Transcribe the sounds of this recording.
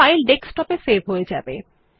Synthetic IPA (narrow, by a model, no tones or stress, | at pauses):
ajlɖeksʈɔpeseɾbʱɦojed͡ʑabḛ